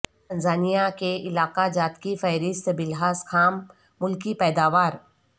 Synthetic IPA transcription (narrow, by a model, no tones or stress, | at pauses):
t̪ɐ̃nzaːnijakeʔɪlaːqad͡ʒaːt̪kifɛɦɾɪst̪bɪlɦaːzkʰaːmː | ʊlkipɛːd̪aːʋaːɾ